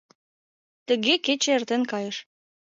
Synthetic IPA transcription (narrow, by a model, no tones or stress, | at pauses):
t̪ə̆ɣeket͡ɕĕert̪enkɑjəʃ